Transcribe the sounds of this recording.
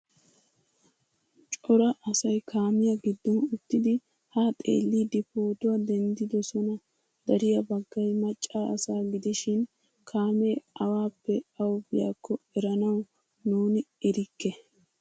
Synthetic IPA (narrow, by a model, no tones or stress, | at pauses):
t͡ʃʼɔɾɐʔɐsɐjkʰaːmɪjɐɡɪd̪ːɔnʊt̪ːɪd̪ɪ | hat̪ʼḛːlːid̪ɪpoːt̪ʊwɐd̪ɛnd̪ɪd̪ɔsɔnɐ | d̪̥ɐɾɪjɐbɐɡːɐjmɐt͡ʃʼːaːɐsaːɡɪd̪ɪʃɪn | kʰaːmeɐwaːpːɛɐwbɪja̰ːkʰːɔɛɾɐnɐw | nuːnɪɛɾɪkːɛ